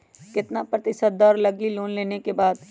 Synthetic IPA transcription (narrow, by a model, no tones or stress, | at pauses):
kɪt̪napɾɐt̪ɪʃəd̪̚ɔːɾlɐɡiloːnleːnekebaːd̪